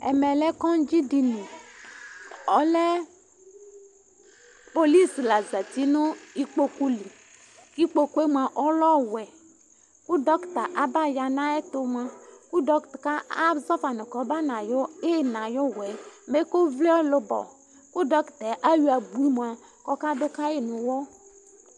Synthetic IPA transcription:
ɛ̰˨mɛ˨lɛ˦kɔ˦n˦d͡ʒi˦di˨ni˨ | ɔ˨lɛ˦ | po˨li˦sla˨za˨ti˦nʊ˦i˦k͡po˦ku˦li˨ | ki˦k͡po˨ku˦e˦mʷ˦a˨ʔɔ˦lɔ˦wɛ˨ | ku˦dɔ˦kta˨ʔa˦ba˦ja˨na˦ɛ˦tʊ˦mʷ˨a˨ku˦dɔ˦ktka˦a˦zɔ˦fa˨nʊ˨kɔ˨˦ba˦na˨jɔ˦e˦˨na˨jɔ˦wɛ˨me˦ko˦vle˦ɔ˦lʊ˦bɔ̰˨ | ku˦dɔ˦ktɛ˨ʔa˦ju˦a˨bu˨˦m˨a˨ | kɔ˦ka˦dʊ˦ka˦jɪ˦nʊ˨wɔ˦

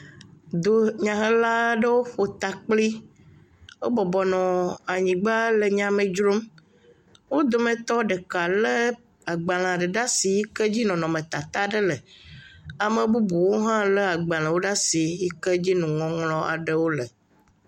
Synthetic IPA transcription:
d̪o˨ɲã˨ɦə̃˦la˦ɖə˦wo˦ɸo˨t̪a˨k͡pli˦ | wo˦bɔ˨bɔ˨nɔ̃˨a˨ɲĩ˨ɡ͡ba˦lə˨ɲã˨mẽ˨d͡ʒɾo˦m | wo˦d̪o˨mẽ˨t̪ɔ˦ɖe˨ka˨lə˦ | a˨ɡ͡ba˨l̃ã˨ɖə˨ɖa˦si˨ji˦kə˦d͡ʑi˦nɔ̃˨nɔ̃˨mẽ˨t̪a˨t̪a˦ɖə˦lə˨ | a˨mẽ˨bu˦bu˨wo˦ɦã˦le˦a˨ɡ͡ba˨l̃ã˨wo˦ɖa˦si˨ji˦kə˦d͡ʑi˦nũ˨ŋɔ̃˨ŋlɔ̃˦a̰˨ɖə˦wo˦lə˨

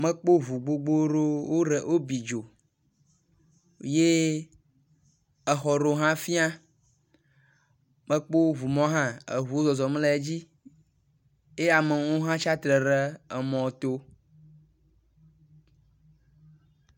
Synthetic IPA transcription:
mə˦k͡po˦vu˨ɡ͡bo˨ɡ͡bo˦ɾo˦wo˦ɖə˨ʔo˦bi˨d͡ʒo˨ | je˦ | ɛ˨xɔ˨ɾo˨ɦã˦fi˦a˦ | mə̃˦k͡po˦vu˨mɔ̃˦ɦã˦ḛ˨ɦu˨wo˦zɔ˨zɔ˨m˦lɛ˦d͡ʑi˦ | e˦a˨mə˨wo˦ɦã˦t͡ʃa˦t̪ɾə˨ɾə˦ɛ˨mɔ̃˨t̪o˦

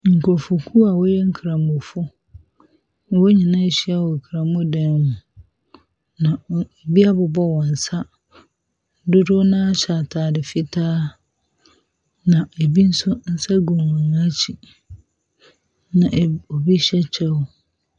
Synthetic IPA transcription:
ŋ̩˨kʰʊ˨ɾfʊ˨kʰu˦a˨wo˦jɛ˦ŋ̩˦kʰɾã˨mʊ˨fʊ˦ | n˨wo˦ɲĩ˨nã˦ɕi˦a˨wɔ˨kʰɾã˨mʊ˦dã˦mũ˨ | nã˨bi˦a˦bʊ˨bɔ˦wɔ̃˨n̩˨sa˦ | dʊ˦dʊ˦nã˦ɕa˨tʰaː˨dɪ˨fɪ˦tʰaː˦ | nã˨e˨bi˦n̩˦sʊ˦n̩˦sa˦ɡʊ̃˨mʊ̃˨nã˦t͡ɕʰi˨ | nã˨ʔo˨bi˦ɕɛ˦t͡ɕʰɛ˦wʊ˨

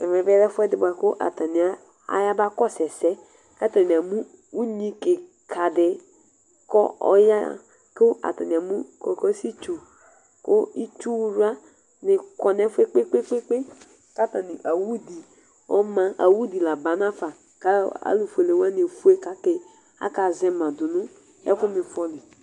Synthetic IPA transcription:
ɛ˨mɛ˨vɛ˦ɾɛ˦fʊ˦ɛ˦dɪ˨ba˨kʊ˦ʔa̰˨ta˨nɪ˨a˨ | a̰˨ja˦ba˦kɔ˦sɛ˨sɛ˦ | ka˦ta˨nɪ̃˨a˨mũ˦ | u˦ɲĩ˦kɪ˨ | kʰa˨dɪ˨ | kɔ˦ɔ̰˦ja̰˦˨ | kʊ˦a̰˨ta˨nɪ̃˨a˨mũ˦kɔ˨kɔ˦si˦t͡ʃu˨ | kʊ˦i˦t͡ʃu˦wɾu˦a˦ | nɪ˨kɔ˨nɛ˦fe˦k͡pe˦k͡pe˦k͡pe˦k͡pe˦ | ka˦ta˨nɪ˨ʔa˨wu˦di˨ | ɔ̰˦mã˦ʔa̰˨wu˦di˨la˨ba˨na˦fa˨ | ka˦a̰˦lu˨fu˨e˨le˨wa˦nɪ˨fu˦e˦ka˦ke˨ | a̰˦ka˨zɛ˦mã˨dʊ˨nʊ̃˦ | ɛ̰˦kʊ˦mɪ̃˨fɔ˦lɪ˨

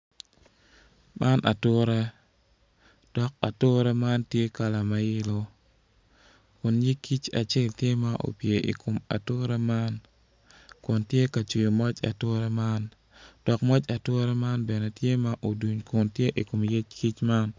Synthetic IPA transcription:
mʔa˦nʔa̰˨tʊ˦ɾɛ˦ | d̥ɔ˨k̚a˨tʊ˦ɾɛ˦ma˦ntje˦ka˨la˨ma˨jɪ˦lo˦ | kʊ˨nɲi˦kːi˦t͡ʃa̰˨t͡ʃe˦˨ltje˦ma˦ʔo̰˨pje˨ʔḭ˨kʰo˨ma̰˨tʊ˦ɾɛ˦ma˦n | kʊ˨ntje˦ka˨t͡ʃu˨jo˨mɔ˦t͡ʃa̰˨tʊ˦ɾɛ˦ma˦n | d̥ɔ˨kmɔ˦t͡ʃa˨tʊ˦ɾɛ˦ma˦nbɛ˨ne˨tje˦ma˦ʔo˨du˨ɲkʊ˨ntje˦ʔi˨ko˨mje˦t͡ʃki˦t͡ʃma˦n

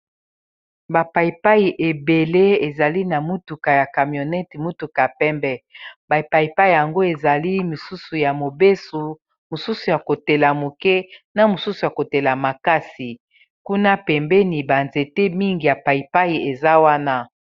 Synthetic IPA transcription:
ba˨pa˨i˨pa˦i˨ʔe˨be˨le˦e˨za˨li˦na˨mu˦tu˨ka˨ja˨ka˨mjo˨nɛ˦tmu˦tu˨ka˨a˨pɛ˦mbɛ˦ba˨i˨pa˨i˨pa˦i˦˨ja˨ŋɡo˦e˨za˨li˦mi˨su˦su˨ja˨mo˨be˦su˨ | mo˨su˦su˨ja˨ko˨te˨la˨mo˨kɛ˦na˨mo˨su˦su˨ja˨ko˨te˨la˨ma˨ka˦si˨ | ku˦na˦pɛ˨mbɛ˦ni˨ba˨nze˨te˦mi˦ŋɡi˨ja˨pa˨i˨pa˦i˨e˨za˦wa˦na˦

